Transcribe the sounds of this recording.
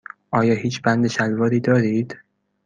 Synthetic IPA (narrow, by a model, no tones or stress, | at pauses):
ʔɒːjɒːhiːt͡ʃʰbænd̪eʃælvɒːɾiːd̪ɒːɾiːd̪̥